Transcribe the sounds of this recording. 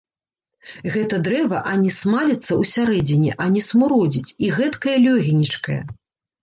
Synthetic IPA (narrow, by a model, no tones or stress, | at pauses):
ɣɛt̪ɐd̪ɾɛvɐʔɐnʲɛsmalʲit̪sːɐwsʲaɾɛd͡zʲinʲiʔɐnʲɛsmuɾɔd͡zʲit͡sʲiɣɛt̪kɐjɐlʲɔɣʲinʲit͡ʂkɐjɐ̰